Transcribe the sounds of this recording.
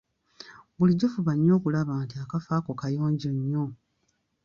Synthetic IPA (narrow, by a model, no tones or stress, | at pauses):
buliɟːofuβaɲːo̞ːkulaβaːntiakafaːkokajo̞ːɲɟoɲːo̞